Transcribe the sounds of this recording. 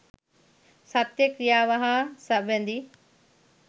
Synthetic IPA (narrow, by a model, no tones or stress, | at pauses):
sɐt̪jekɾijaʋɐɦãsɐʋẽːnd̪iː